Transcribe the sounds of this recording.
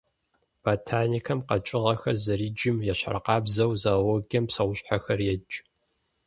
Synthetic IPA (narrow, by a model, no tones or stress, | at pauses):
b̥aːtʰaːnikʰɐmqɐt͡ʃʼɪʁɐxɐrzɐriːd͡ʒɪmjɛɕa̰rɐqɑːbzɐwzawɔɡɐmpsɐwʷʊɕʼħaxɐrjɛd͡ʒʼ